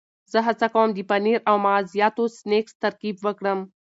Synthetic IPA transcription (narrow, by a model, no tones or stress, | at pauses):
zəɦɐt͡sɐkoːmd̪ipɐniɾɐwmaːzijaːt̪oːsneːkst̪ɐɾkiːbʋɐkɽɐm